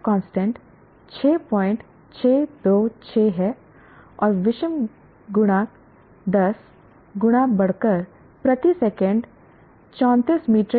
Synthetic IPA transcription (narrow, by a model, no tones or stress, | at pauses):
kɔ̃ːnsʈə̃ɳʈ | t͡ʃʰeːpɔːɪ̃ɳʈ | t͡ʃʰeːd̪oːt͡ʃʰeːɦɛ | ɔːɾʋɪʃəm | ɡʊɽ̃aː | d̪ɐs | ɡʊɽ̃abɐɽ̤kəɾ | pɾɐt̪isɛːkə̃ɳɖ | t͡ʃɔ̃ːnt̪ismiːʈɾ